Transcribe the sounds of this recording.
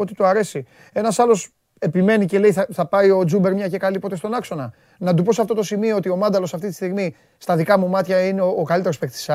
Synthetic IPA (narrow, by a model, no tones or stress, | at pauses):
o̞t̪it̪oɐɾe̞si | e̞nɐsɐlo̞s | e̞pime̞nice̞le̞iθɐθɐpɐio̞d͡zumbe̞ɾmɲɐcekɐlipo̞t̪e̞st̪o̞nɐkso̞nɐ | nɐt̪̬upo̞sɐft̪o̞t̪o̞simioot̪io̞mɐnd̪ɐlo̞sɐft̪it̪i̥st̪iɣmi | st̪ɐðikɐmumɐt̪çɐineoːkɐlit̪eɾospekt̪i̥sɐ